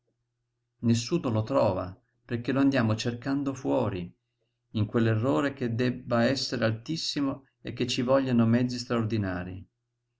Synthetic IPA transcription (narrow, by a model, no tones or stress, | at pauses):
nesːuːnolot̪ɾɔːva̰ | perk̟eloand̪jaːmot͡ʃerkand̪ofwɔːɾi | iŋkwelːerːoːɾeked̪ɛbːaɛsːeɾealt̪isːimo | ekːet͡ʃːivɔʎːanomɛd̪zːist̪ɾaord̪inaːɾḭ